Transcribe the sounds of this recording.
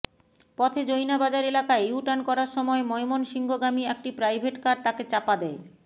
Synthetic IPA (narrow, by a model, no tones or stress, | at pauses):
pɔt̪ʰed͡ʑojnabad͡ʑaɾelakaejuʈankɔɾaɾʃɔmɔemɔemonʃiŋɡoɡɾamiek̚ʈipɾajbʱeʈkaɖ̚t̪aket͡ɕapad̪ɛe